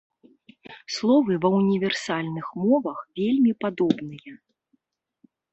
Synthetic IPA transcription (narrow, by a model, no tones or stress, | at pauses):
slˠɔvɨvɐwnʲivʲɛrsalʲnɨxmɔvɐxvʲelʲmʲipad̪ɔbnɨjɐ